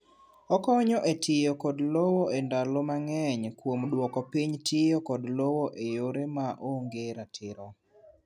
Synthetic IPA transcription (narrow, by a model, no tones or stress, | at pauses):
ɔkɔɲɔʔetʰɪjokɔdlowoendalɔmaŋɛɲkwomdwɔkɔpiɲtʰɪjɔkɔdlowoʔejoɾemaʔoŋɡeɾatʰɪɾɔ